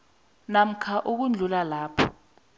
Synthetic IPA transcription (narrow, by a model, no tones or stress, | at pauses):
nam̩kʰaʔuk̬und͡ɮʱulalaːpʰɔ